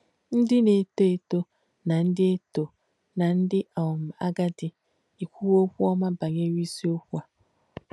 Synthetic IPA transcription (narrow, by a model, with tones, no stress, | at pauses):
n̩˦dɪ˦ne˨to˦e˨to˦ | na˨n̩˦dɪ˦e˦to˨ | na˨n̩˦dɪ˦ʔa˨m̩˨a̰˦ɡa˦dɪ˨ | i˨kʷu˦wo˦kʷu˦ɔ˦ma˦ba˨ɲe˦ɾi˦si˦o˦kʷu˦a˨